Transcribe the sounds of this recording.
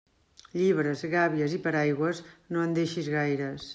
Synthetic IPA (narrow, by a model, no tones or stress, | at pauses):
ʎiβɾəzɣaβiəzipəɾajɣwəznoənd̪eʃizɣajɾəs